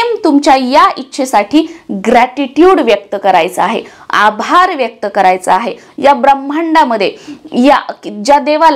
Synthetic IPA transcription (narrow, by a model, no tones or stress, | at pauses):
mt̪umt͡ɕjajaitːɕʰesaʈʰiːɡɾæʈiʈjuːɽʋjək̚t̪əkəɾajt͡səaɦḛ | a̰bʱaɾʋjək̚t̪əkəɾajt͡səaɦe | jabɾəm̤ːəɳɖaməd̪ʱːjejaid͡ʑad̪eʋal